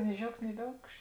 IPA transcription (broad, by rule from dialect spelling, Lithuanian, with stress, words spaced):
nʲɪ ˈʒʲɛʊkt nʲɪ ˈʋʲɛʊkʃ